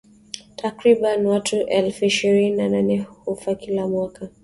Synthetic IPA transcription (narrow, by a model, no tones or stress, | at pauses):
tʰakɾiɓanwatʰuʔɛlfuiʃiɾininananɛhufakilamwaka